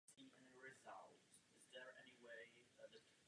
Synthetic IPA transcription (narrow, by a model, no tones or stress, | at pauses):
siɨ̃nɹɪzʌ̰lˠt | ɨzðə˞ʔɛ̰niweɪðɨtʰ